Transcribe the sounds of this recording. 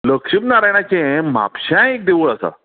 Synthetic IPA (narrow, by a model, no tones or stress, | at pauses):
ləkʂimnaɾajɳat͡ɕẽma̰pɕãek̚d̪eʋuɭasa̰